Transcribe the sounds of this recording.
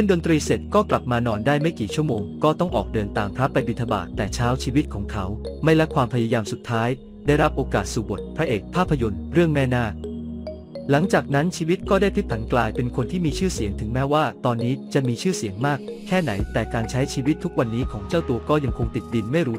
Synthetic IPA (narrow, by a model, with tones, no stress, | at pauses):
sʰɯ˥˩ndo˧nt̪ɾiː˧se˨˩t̪̚kɔː˥˩kla˨˩p̚maː˧nɔː˧ndaː˥˩jma˥˩jkiː˨˩t͡ɕʰu˥˩əmoː˧ŋkɔː˥˩t̪ɔ˥˩ŋʔɔː˨˩k̚dɤː˧nt̪aː˧mpʰɾa˦˥pːa˧jbi˨˧˩t̪ʰːa˧ba̰ː˨˩t̪ːɛː˨˩t͡ɕʰaː˦˥wt͡ɕʰiː˧wi˦˥t̪̚kʰɔː˩˦ŋkʰa˦˥wma˥˩jɾa˦˥kʰwaː˧mpʰa˧ja˧jaː˧msu˨˩t̪ʰːaː˦˥j | da˥˩jɾa˦˥p̚ʔoː˧kaː˨˩t̪̚suː˨˩bo˨˩t̪̚pʰɾa˦˥ʔeː˨˩k̚pʰːaː˥˩pʰːa˧jo˧nɾɯ˥˩əŋmɛː˥˩naː˥˩ | la˩˦ŋt͡ɕaː˨˩k̚na˦˥nt͡ɕʰiː˧wi˦˥t̪̚kɔː˥˩daː˥˩jpʰi˦˥p̚t̪ʰa˩˦nklaː˧jpe˧nkʰo˧nt̪ʰiː˥˩miː˧t͡ɕʰɯː˥˩si˩˦ŋt̪ʰɯ˩˦ŋmɛː˦˥waː˥˩t̪ɔː˧nːiː˦˥t͡ɕa˨˩miː˧t͡ɕʰɯː˥˩si˨˩˦əŋmaː˥˩k̚kʰːɛː˥˩na˩˦jt̪ɛː˨˩kaː˧nt͡ɕʰa˦˥jt͡ɕʰiː˧wi˦˥t̪ʰːu˦˥k̚wa˧nːiː˦˥kʰɔː˩˦ŋt͡ɕaː˥˩wt̪u˧ɐkɔː˥˩ja˧ŋkʰo˧ŋt̪i˨˩t̪̚di˧nma˥˩jɾuː˦˥